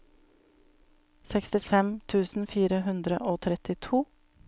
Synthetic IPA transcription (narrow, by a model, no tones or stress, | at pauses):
sɛkst̪ɪfɛmt̪ʰʉːsn̩fiːɾəɦʉnd̪ɾə̰ʔoːt̪ʰɾɛt̪ɪt̪ʰuː